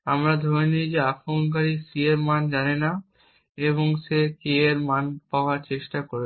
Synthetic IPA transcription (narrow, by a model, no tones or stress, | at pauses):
amɾad̪ʱoenijd͡ʑeafonk̬aɾisieɾmand͡ʑanena | eβoŋsekeeɾmanpaoaɾt͡ɕeʃʈakoɾe